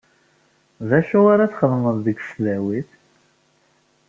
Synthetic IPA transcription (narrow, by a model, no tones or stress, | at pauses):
ðæʃuaɾaθχəðəmənðəɡʷslæwiθ